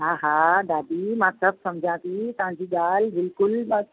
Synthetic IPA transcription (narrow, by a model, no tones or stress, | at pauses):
ɦaɦaɖ̪aːd̪iːmãːsɐb̚sɐmd͡ʑʱãt̪iːt̪ʊɦãd͡ʑiːɡaːlbɪlkʊl